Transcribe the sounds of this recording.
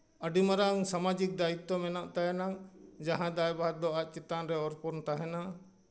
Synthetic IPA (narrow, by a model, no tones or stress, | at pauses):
əɖimaɾaŋsamad͡ʒik̚d̪ait̪ːɔmɛnaʔt̪ajanaŋd͡ʒaɦãd̪ajbaat̪̚d̪ɔat̪̚t͡ʃit̪anɾɛɔɾpɔɾnt̪aɦɛna